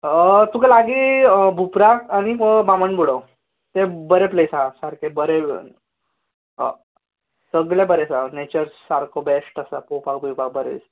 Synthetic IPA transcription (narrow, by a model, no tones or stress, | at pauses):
ət̪ukelaɡibʱupɾakañiɦəbaməɳbuɽəw | t̪ebəɾepləjsasaɾkebəɾe | səɡɭebəɾesanet͡ɕəɾsaɾkʰobesʈəsapowpak̚bʱiwpak̚bəɾḛs